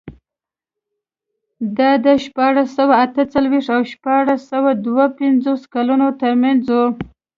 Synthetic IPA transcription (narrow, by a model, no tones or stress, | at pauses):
d̪ɑd̪əʃpɑɽasawaːt̪ət͡salwiʂt̪awʃpɑɽasawad̪wapɪnzoskalunot̪əɾmanzu